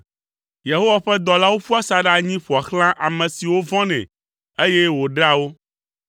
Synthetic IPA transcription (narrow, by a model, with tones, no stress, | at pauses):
je˨ɦo˦wa˨ɸɛ˦d̪ɔ˨la˦wo˦ɸu˦a˦sa˨ɖa˨ɲĩ˦ɸu˨a˨xl̃ã˦ʔa˨mɛ̃˨si˨wo˦vɔ̃˦nɛ̰̃˨ | e˦je˦wo˨ɖa˦wo˦